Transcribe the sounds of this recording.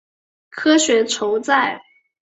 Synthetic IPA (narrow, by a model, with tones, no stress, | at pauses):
kʰɤ˥ɕɥɛ˧˥ʈ͡ʂʰo˧˥ʊt͡sa˥˩ɪ